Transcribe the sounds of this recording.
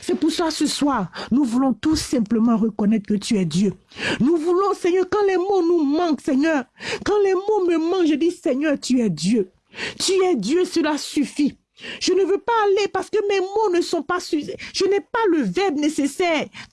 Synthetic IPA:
sɛpuʁsasəswaːʁnuvulɔ̃t̪usɛ̃pləmɑ̃ʁəkɔnɛt̪χkət̪yɛd̪jø | nuvulɔ̃sɛɲœʁkɑ̃lɛmonumɑ̃ksɛɲœːʁkɑ̃lɛmoməmɑ̃kʒəd̪isɛɲœʁt̪yɛd̪jø | t̪yɛd̪jøsəlasyfi | ʒ̥ənəvøpaːlepaʁsə̥kəmɛmonəsɔ̃pasyʒ̥ənɛpaləvɛʁbnesesɛʁ

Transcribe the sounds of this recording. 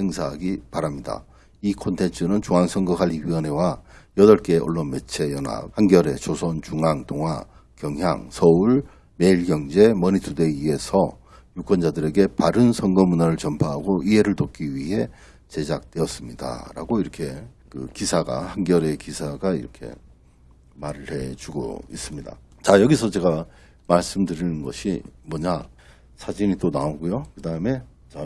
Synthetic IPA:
heŋsʰaɦaɡipaɾamɲida̰ | ikʰontʰe̞nt͡ɕʰɯnɯnt͡ɕoŋɦansʰʌŋɡʌɦʰaʎːiɥiʌne̞wajʌdʌɭk͈e̞oɭːʌnme̞t͡ɕʰe̞jʌna̰p̚hanɡjʌɾe̞t͡ɕosʰont͡ɕuŋaŋtoŋɦwa̰ | kjʌŋɦja̰ŋsʰʌuɭ | me̞iɭɡjʌŋd͡ʑe̞mʌɲitʰude̞ie̞sʰʌ | juk͈wʌnd͡ʑadɯɾe̞ɡe̞paɾɯnsʰʌŋɡʌmunaɾɯɭt͡ɕʌmpʰaɦaɡoʔiɦe̞ɾɯɭtok͈iɥiɦe̞ | t͡ɕe̞d͡ʑak̚t͈we̞ʌs͈ɯmɲida̰ɾa̰ɡoiɾʌkʰe̞ | kɯ̰kisʰaɡa̰hanɡjʌɾe̞kisʰaɡaḭɾʌkʰe̞̰ | maɾɯɭhe̞t͡ɕuɡo̰ḭs͈ɯmɲida̰ | t͡ɕajʌɡisʰʌt͡ɕe̞ɡa | maɭs͈ɯmdɯɾinɯnɡʌɕʰimwʌɲa | sʰad͡ʑiɲit͈onaoɡujokɯdaɦɯme̞ | t͡ɕa

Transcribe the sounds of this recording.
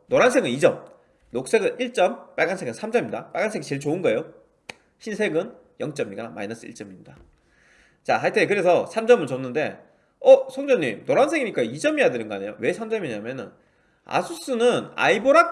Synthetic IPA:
noɾansʰeɡɯnid͡ʑʌm | nok̚s͈eɡɯnʔiɭt͡ɕ͈ʌmp͈aɭɡansʰe̞ɡɯnsʰamd͡ʑʌmiɲidap͈a̰ɭɡansʰeɡit͡ɕe̞ɭt͡ɕoɯnɡʌejo | ɕʰinsʰe̞ɡɯn | jʌŋt͡ɕ͈ʌmiɲiɡk͈ama̰inʌs͈ʰɯ̰ḭɭt͡ɕ͈ʌmiɲida | t͡ɕaɦaɭtʰekɯɾe̞sʰʌsʰamd͡ʑʌmɯɭt͡ɕʌnːɯnde̞ | ʌsʰoŋd͡ʑʌɲimnoɾans̬ʰe̞ɡiɲik͈aid͡ʑʌmijadɯɾɯnŋɡʌa̰ɲe̞jo̰we̞sʰamd͡ʑʌmiɲamjʌnɯn | a̰sʰus͈ɯnɯna̰iboɾak̚

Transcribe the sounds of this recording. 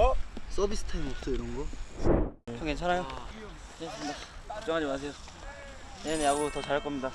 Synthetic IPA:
s͈ʌbis͈ʰɯ̥tʰaimop̚s͈ʌiɾɯŋɡʌ | t͡ɕʰʌkent͡ɕʰanajo | nendeʌ̥p̚t͡ɕ͈ʌŋɦad͡ʑimas̬ʰe̞jo | neneaɡotʌt͡ɕaɭk͈ʌmɲida

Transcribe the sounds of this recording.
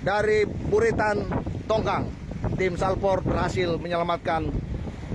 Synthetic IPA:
daɾibuɾit̪ant̪ɔŋɡaŋ | t̪ɪmsalpɔr̚bərhasɪlməɲəlamat̪̚kan

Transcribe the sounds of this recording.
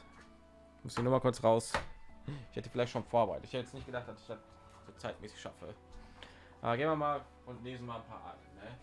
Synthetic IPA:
mʊstɪnuːmakʊɐt͡sʁaʊs | ɪçhɛtə̥fɪlaɪçtʃoːnfoːɐbəʁaɪtətɪçhɛtəjɛt͡snɪçt̚ɡədaχtd̥asɪ̥çd̥at̚ | z̥oːt͡saɪtmʔɛːsɪ̥çʃa̰fə̰ | ʔa̰ːɡeːnmviɐmaːl | ʊntleːzn̩maːlnpʰa̰ːʔa̰t̩nə

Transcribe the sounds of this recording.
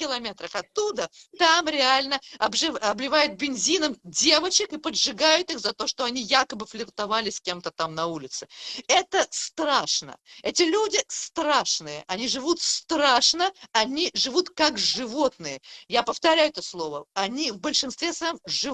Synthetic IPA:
kʲɪlˠɐmʲet̪ɾəxɐt̪ːud̪ət̪amɾʲɪalʲnəɐbʐɨɐblʲɪvajʊt̪̚bʲɪnʲzʲinəmdʲe̞vət͡ɕɪkɨpəd̪ʐɨɡajʊt̪ɨxzɐt̪o̞ʂt̪o̞ɐnʲijakəbɨflʲɪrt̪ɐvalʲɪsʲkʲe̞mt̪ət̪amnɐulʲɪt̪sɨɛt̪əst̪raʂnə̰ɛtʲɪlʲudʲɪst̪ɾaʂnɨjəʔɐnʲiʐɨvut̪st̪ɾaʂnəɐnʲiʐɨvut̪kakʐɨvo̞t̪̚nɨjəjapəft̪ɐɾʲæjʊɛt̪əslˠo̞vəɐnʲivbəlʲʂɨnst̪vʲesvɐjomʐɨ

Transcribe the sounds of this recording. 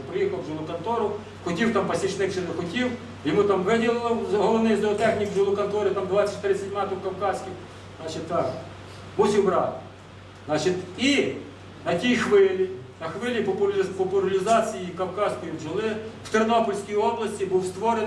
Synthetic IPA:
pɾɪjixɐwʒʊlˠʊkɐnt̪ɔɾʊ | xʊtʲiwt̪ɑmpɐsʲiʃnɪxʃɛd̪ɐxʊtʲiw | jɪmut̪ɑmʋɪdʲɪlˠlˠɔɦɔlˠɔnɪjzd̪ɔɔt̪ɛxnʲikʒʊlˠʊkɐnt̪ɔɾʲɪt̪ɑmd̪ʋɑt͡sʲɐ̥t͡ʃʲtʲt̪ɾɪsʲɐtʲmɑt̪ʊwkɐwkɑsʲkʲɪx | zɑt͡ʃɪt̪ːɑk | musʲiwbɾɑ̰t̪ʲ | zɑt͡ʃɪt̪i | nɐtʲijxʋɪlʲinɐxʋɪlʲipɐpʊpɔpʊlʲɐlʲɪzɑt͡sʲijikɐwkɑsʲkʊjimʒɪlˠɪw̥t̪ernɔpɔlʲsʲkijɔblˠɐsʲtʲibuwst̪ʋɔɾen

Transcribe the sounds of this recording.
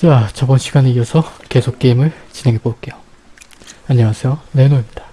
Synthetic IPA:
t͡ɕat͡ɕʌbʌnɕʰiɡaneiʌsʰʌke̞sʰok̚k͈e̞imɯɭt͡ɕine̞ŋɦeb͈ok͈e̞jo | aɲːʌŋasʰe̞jone̞noimɲidḁ

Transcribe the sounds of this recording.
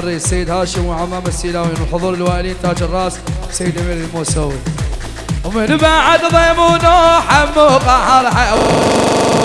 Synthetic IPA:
rˤːisːajːɪd̪haːʃəmwɪʕamːaːmasːiːlaːwinɪlħʊðˤuːɾɪlwaːʔɪliːnt̪aːd͡ʒɪrˤːɑːssajːɪd̪ʔamiːlɪlmuːsawi | ʊmɪnbaːʕad̪ɑðˤeːmunoħamːuqɑħɑɾˤħaʔ

